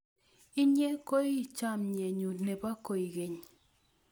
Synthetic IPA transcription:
i˦ɲe˦ko˦i˦˨t͡ʃa˦˨mɲe˨ɲu˨tnɛ˨pa˦ko˨i˨ke˨ɲ

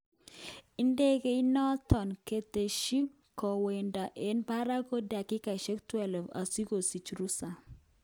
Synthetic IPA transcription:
i˦nde˦ɡe˦i˦nɔ˦t̪ɔ˨nke˨t̪e˨ʃi˦ | kɔ˨we˨nda˨ʔe˦nba˦ɾa˦ko˦da˨kɪ˦ka˨ʃe˦ktwɛ˦lva̰˨si˦ko˨si˨t͡ʃɾu˦sa˨

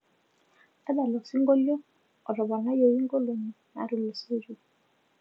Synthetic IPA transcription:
ta˦da˨lɔ˨si˦ŋɡo˦ljo˦ | ɔ˨ɾɔ˨ba˨na˦jo˨i˦ŋɡo˦lo˨ɲi˨na̰˨˦ɾi˨lo˨se˦ɾu˨

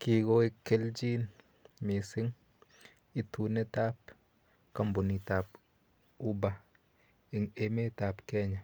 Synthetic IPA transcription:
ki˨ɡo˦i˨kːe˦ld͡ʒi˦n | mi˨sɪ˦ŋ | i˦tu˨ne˦ta˦p | ka˦˨mbʊ˨ni˨ta˨p | u˦ba˦ | ɪ˨ŋe˦me˦ta˨pkɛ˦ɲa˨

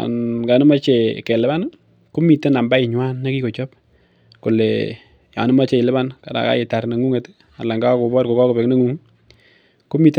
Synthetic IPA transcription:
a̰˨nka˨nɪ˦ma˦t͡ʃe˨kɛ˨lɪ˦ba˦n | ku˦mi˨te˦na˨mba˦ɪ˨ɲwa˦nːa˦ki˦ko˨t͡ʃɔ˦p̚ | ko˨lɛ | ja̰˨nɪ˦ma˦t͡ʃe˨ɪ˨lɪ˦ba˦nka˨da̰˨ka̰˦jɪ˨ta˨ɾna˨ŋu˦ŋe˨t | a˨la˨ŋɡa˦ko˨bɔ˦tko˨ka˦ko˨pɛ˨kne˦ŋu˦ŋ | ku˦mi˨t

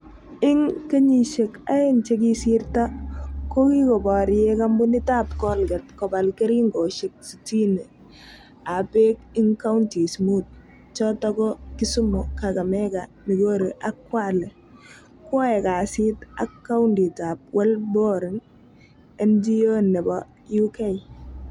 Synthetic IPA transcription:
ɪ˦ŋke˦ɲi˨ʃe˨ka˦ɪ˦nt͡ʃe˦k̬i˦sirta˦ko˦ki˦kɔ˨bɔ˨ɾe˦ka˦mbʊ˦nɪ˦ta˦pkɔ˦lɡɛ˨t̚kɔ˨ba˨lke˦ɾi˦ŋɡo˨ʃek̚si˨ti˦ne˨ | a˨pe˦k̚ɪ˦ŋka˦wnti˨smu˦t̚ | t͡ʃɔtɔ˦kɔ˦ki˦su˦mʊ˨kaka˨mɛka | ni˨ɡo˦ɾe˨ʔa˦kːwa˦lɛ˨ | kɔ˦ɛ˨ka˨si˦ta˦kːa˦wndi˨ta˨p̚wʔɛ˦lbo˦ɾɪ˨ŋ | ɛ˦nd͡ʒi˦o˦nɛ˨bɔ | ju˦ke˦j

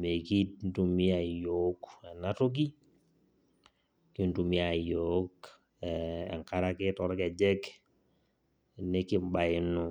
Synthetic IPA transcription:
me˨ki˦t̚n̩˦tu˨mi˦a˨jo˨˦kɛ˨na˦to˦k̬i˦ | ki˦ntu˨mi˦a˨jo˨˦k | ɛ̰˨ŋka˦ɾa˦kɪ˦tɔ˨ɾkɛ˨d͡ʒɛ˦k | ne˦kɪ˦m˦ba˨ɪ˨nʊ˨

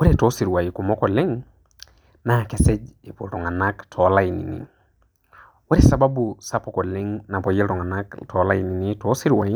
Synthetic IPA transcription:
wo˦ɾetɔ˦si˨ɾwa˨i˨ku˨mɔ˦kɔ˨lɪ˦ŋ | nakɛ˨sɛ˦d͡ʒe˨po˨ɾɔ˨ŋa˨na˦ktʰɔ˨la˦i˨nḭ˨nḭ˨ | wo˦ɾe˦sa˨ba˦busa˦pɔkɔ˨lɪ˦ŋna˨pɔ˨je˦lɾɔ˨ŋa˨na˦ktʰɔ˨la˦i˨ni˨ni˦tɔ˦si˦ɾwa˨i˦

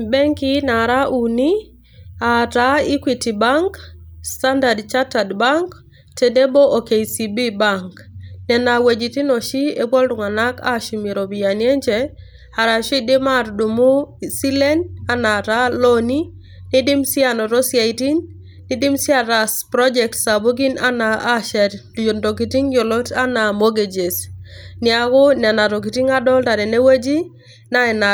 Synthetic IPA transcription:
bɛ˦ŋki˦na˨ɾa˦ʔu˨ni˦ | a˨ta˨i˦kwiti˨ba˦ŋksta˦nda˨dt͡ʃa˦tadba˦ŋk | te˨de˦bo˦o˨ke˨i˨si˨bi˦ba˦ŋk | nɛ˨na˨we˨d͡ʒi˨ti˦no˨ʃi˦e˦bɔ˦ldʊ˨ŋa˨na˦ka̰˦ʃi˨me˨ɾo˨bia˨nje˦ɲd͡ʒe | a˨ɾa˨ʃi˦dɪ˦ma˦ɾdu˨mu˦si˦le˦na˦na˨ta˦lo˦ni˦ | nɪ˦dɪ˦msɪ˦a˨nɔ˨ɾɔ˦sja˨i˨ti˦nː | ɪ˨dɪ˦msɪ˦a˨ɾa˨spɾɔ˦d͡ʒɛ˨k̚tsa˨bo˦ɡi˦na̰˦naː˨˦ʃɛ˨ɾjo˨ndo˨ki˨ti˦ŋjo˨lɔ˦ta˦na˨mo˦ɡe˨d͡ʒe˨snɪ˦a˦kʊ˦nɛ˨na˨ɾɔ˨k̬i˨ti˦ŋa˦dɔ˦lta˨dɛ˨ne˦we˦d͡ʒi˦ | na˦ɛ˨na˨

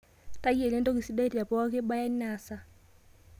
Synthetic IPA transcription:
ta˦je˨le˦ndɔ˦ki˨si˦da˦i˦ɾa˨pɔ˦wa˦ke˦ɓa˦ja˦nː˦a˨sa˨

